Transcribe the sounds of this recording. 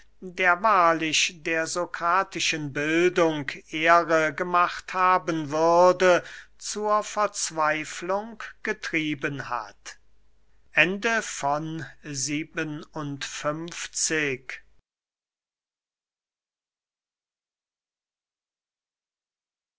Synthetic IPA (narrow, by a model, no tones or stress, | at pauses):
deːɐvaːɐlɪʃdeːɐzokʁ̥aːtɪʃənbɪldʊŋkʔeːʁəɡəmaχthaːbənvʏɐdət͡suːɐfɛɐt͡sv̥aɪflʊŋkɡ̥ətʁ̥iːbənha̰t | ʔɛndəfɔnziːbənʊntfʏmft͡sɪk